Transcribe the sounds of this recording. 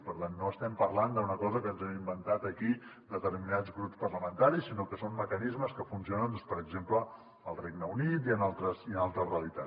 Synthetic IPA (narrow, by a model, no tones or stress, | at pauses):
pəɾt̪anːoəst̪ɛmpəɾland̪əunəkɔzəkənzɛmimbənt̪at̪əki | d̪ət̪əɾminad͡zɣɾupspərləmənt̪aɾisːinokəsomməkənizməskəfunsionənpəɾəɡzemplə | əlˠrejɡnəunit̪iənalˠt̪ɾəsiənalˠt̪ɾəsreəlit̪a